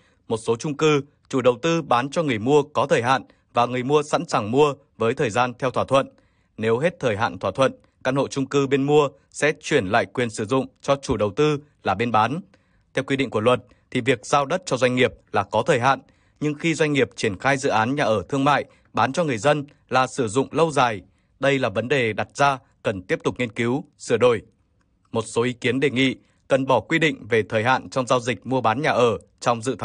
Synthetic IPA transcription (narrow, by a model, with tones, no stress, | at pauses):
mo˨˩t̚so˨˦t͡ɕʊ˧ŋ͡mkɨ˧ | t͡ɕu˧˩ɗə˨˩wt̪ɨ˧ɓaː˨˦nt͡ɕɔ˧ŋɨ˨˩əjmu˧əkɔ˨˦t̪ʰəː˨˩jɦa̰ː˧˨n | vaː˨˩ŋɨ˨˩əjmu˧əsa̰˧˥nsaː˨˩ŋmu˧ə | vəː˨˦jt̪ʰəː˨˩jzaː˧nt̪ʰɛ˧wt̪ʰaː˧˩t̪ʰwə̰˧˨n | ne˨˦wɦe˦˥t̚t̪ʰəː˨˩jɦa̰ː˧˨nt̪ʰwaː˧˩t̪ʰwə̰˧˨n | kaː˧nho̰˧˨t͡ɕʊ˧ŋ͡mkɨ˧ɓe˧nmu˧ə | sɛ̰˧˥t͡ɕwi˧˩ənla̰ː˧˨jkwi˨˩ənsɨ˧˩zʊ̰˧˨ŋ͡mt͡ɕɔ˧t͡ɕu˧˩ɗə˨˩wt̪ɨ˧ | laː˨˩ɓe˧nɓaː˨˦n | t̪ʰɛ˧wkwi˧ɗḭ˧˨ŋ̟ku˧˩əlwə˨˩t̚ | t̪ʰi˨˩vi˨˩ək̚z̥aː˧wɗə˦˥t̚t͡ɕɔ˧zwa˧jŋ̟ŋi˨˩əp̚laː˨˩kɔ˨˦t̪ʰəː˨˩jɦa̰ː˧˨n | ɲɨ˧ŋxi˧zwa˧jŋ̟ŋi˨˩əp̚t͡ɕi˧˩ənxaː˧jzɨ̰˧˨ʔaː˨˦nɲaː˨˩ʔəː˧˩t̪ʰɨ˧əŋma̰ː˧˨j | ɓaː˨˦nt͡ɕɔ˧ŋɨ˨˩əjzə˧n | laː˨˩sɨ˧˩zʊ̰˧˨ŋ͡mlə˧wzaː˨˩j | ɗə˧jlaː˨˩və˨˦nɗe˨˩ɗa˨˩t̚z̥aː˧ | kə˨˩nt̪i˦˥əp̚t̪ʊ˨˩k͡p̚ŋi˧ənki˨˦w | sɨ˧˩əɗo˧˩j | mo˨˩t̚so˨˦ʔi˨˦ki˨˦ənɗe˨˩ŋḭ˧˨ | kə˨˩nɓɔ˧˩kwi˧ɗḭ̈˧˨ŋ̟ve˨˩t̪ʰəː˨˩jɦa̰ː˧˨nt͡ɕɔ˧wŋ͡mzaː˧wzï˨˩k̟̚mu˧əɓaː˨˦nɲaː˨˩ʔəː˧˩ | t͡ɕɔ˧wŋ͡mzɨ̰˧˨t̪ʰa˨˦